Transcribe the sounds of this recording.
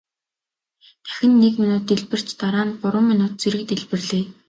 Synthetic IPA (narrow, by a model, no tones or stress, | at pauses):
t̪ʰæ̥xʲɪ̆nːekminʊːt̪eɮpɘ̆r̥t͡ɕt̪aɾaːnɢʊɾʊ̆ːminʊːt̪̚t͡seɾɘ̆k̚t̪eɮpɘ̆rɮeː